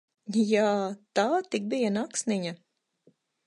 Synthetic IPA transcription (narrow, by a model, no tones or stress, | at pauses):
jaːt̪aːt̪ik̚bijanaksniɲa